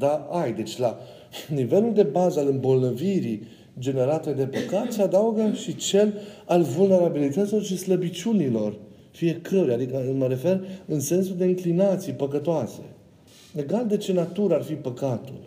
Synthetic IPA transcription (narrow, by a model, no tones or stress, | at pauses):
d̪aajd̪e̞t͡ʃʲla | nive̞luld̪e̞bazəalɨmbo̞lnəviɾi | d͡ʒe̞ne̞ɾat̪e̞d̪e̞pəkat̪səad̪auɡəʃit͡ʃe̞lalvulne̞ɾabilit̪ət̪silo̞rʃisləbit͡ʃʲunilo̞r | fije̞kʰəɾʲad̪ikəməɾe̞fe̞rɨnse̞nsuld̪e̞iŋklinat̪sijpəkət̪oase̞ | e̞ɡald̪e̞t͡ʃe̞nat̪uɾəarfipəkat̪ṵl